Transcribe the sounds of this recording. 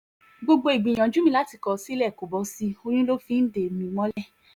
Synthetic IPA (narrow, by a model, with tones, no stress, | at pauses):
ɡ͡bo˧ɡ͡bo˧i˨ɡ͡bĩ˨j̃ã˨d͡ʒũ˨˦mĩ˧la˦ti˧kɔ˧si˦lɛ˦˨ko˨bɔ˨˧˦si˧o˧ɲ̃ũ˦lo˦fĩ˦n̩˦de˨mĩ˨˧˦mɔ̃˦lɛ˦˨